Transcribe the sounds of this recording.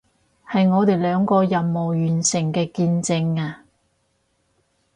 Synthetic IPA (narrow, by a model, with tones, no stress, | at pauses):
hɐ˨jŋɔː˨˧t̪e˨jlœː˨˥ŋkɔː˧jɐ˨mmo˨wjyː˨˩nsɪ˨˩ŋkɛː˧kiː˧nt͡sɪ˧ŋaː˧